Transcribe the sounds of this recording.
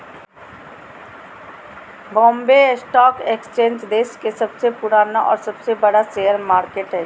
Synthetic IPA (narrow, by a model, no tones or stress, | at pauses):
bɔ̃ːmbesʈɔːkekst͡ʃẽːɲd͡ʒd̪eːʃkesɐbsepʊɽaːnaʔɔ̰ːɾsɐbsebɐɽaseːəɾmaːɾkeːʈɦɛː